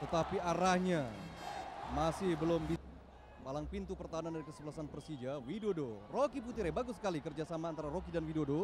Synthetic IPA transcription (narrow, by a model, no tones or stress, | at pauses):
t̪ət̪apiaɾahɲa | masɪhbəlʊmbi | palaŋpint̪upərt̪aɦanandaɾikəsəbəlasanpərsid͡ʒawidodorokiput̪iɾɛbaɡʊsːə̥kalikərd͡ʒasamaːnt̪aɾaɾokidanwidodo